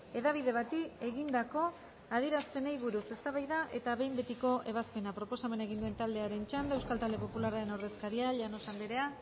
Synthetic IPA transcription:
e̞ðaβ̞iðe̞βat̪ie̞ɣind̪ako̞ | aðiɾaspe̞nejβuɾuse̞st̪aβajðaʔe̞t̪aβe̞jmbe̞t̪iko̞ʔe̞βaspe̞napɾo̞po̞same̞naeɣind̪ue̞nt̪ald̪eaɾe̞nt͡ʃand̪e̞wskalt̪ald̪e̞po̞pulaɾaɾe̞nawɾðe̞skaɾiaʎano̞sand̪eɾe̞a

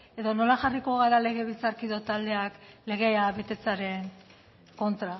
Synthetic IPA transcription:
e̞ðo̞no̞laxariko̞ɣaɾale̞ɣe̞β̞ilt͡saɾkiðo̞t̪ald̪e̞akle̞ɣ̞e̞aβe̞t̪e̞t͡saɾe̞ŋ | ko̞nt̪ɾa

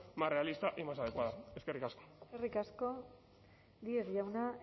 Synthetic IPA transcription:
mare̞alist̪aʔimasað̞e̞kwaðae̞ske̞rikasko̥erikasko̞ | d̪ieɣʝawna

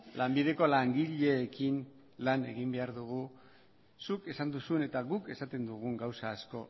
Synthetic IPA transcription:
lambiðe̞ko̞laŋɡiʎe̞ːkin | lane̞̰ɣimbe̞aɾðuɣu | suke̞sand̪usue̞ne̞t̪aɣuke̞sat̪e̞nd̪uɣ̞uŋɡawsaːsko̞

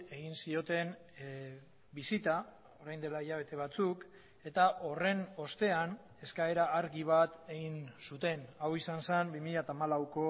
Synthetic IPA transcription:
e̞ɣinsio̞t̪e̞n | bisit̪a | o̞ɾajnd̪e̞laiʎaβ̞e̞t̪e̞β̞at͡suk | e̞t̪aʔo̞re̞no̞st̪e̞an | e̞skae̞ɾaːɾɣiβat̪e̞ɣinsut̪e̞nawisansambimiʎat̪aːmalawko̞

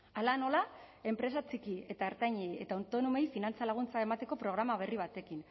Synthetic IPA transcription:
alano̞lae̞mpɾe̞s̬at͡sikie̞t̪aeɾt̪ajɲeje̞t̪aunt̪o̞nome̞jfinant͡salaɣ̞unt͡sae̞mat̪e̞ko̞pɾo̞ɣ̞ɾamaβ̞e̞riβ̞at̪e̞kin

